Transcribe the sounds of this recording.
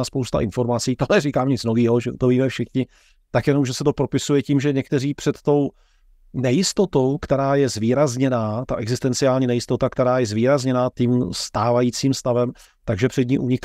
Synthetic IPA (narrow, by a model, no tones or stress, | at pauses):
aspowst̪a̰ʔɪnfo̞ɾmat͡siːt̪onɛrikaːmɲɪt͡sno̞viːɦo̞ʒɛṵt̪oviːmɛfʃɪxɲɪ | t̪akjɛno̞mʒɛsɛt̪o̞pɾo̞pɪsujɛciːmʒɛɲɛk̚t̪ɛriːpr̥ɛt̪ːo̞w | nɛjɪst̪o̞t̪o̞wkt̪ɛɾaːjɛzviːɾazɲɛnaːt̪aʔɛɡzɪst̪ɛnt͡sɪaːlɲiːnɛjɪst̪o̞t̪akt̪ɛɾaːjɛzviːɾazɲɛnaːt̪iːmst̪aːvajiːt͡siːmst̪avɛm | t̪aɡʒɛpr̥ɛd̪ɲiʔuɲɪk